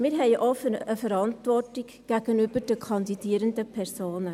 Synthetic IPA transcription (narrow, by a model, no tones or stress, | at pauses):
mɪːɾɦɛɪʔɔfəəfəɾɑntʋɔrtɪk | ɡ̥æɡ̥ənyb̥əɾd̥əkʰɑndidiːɾəndəpʰɛɾsoːnə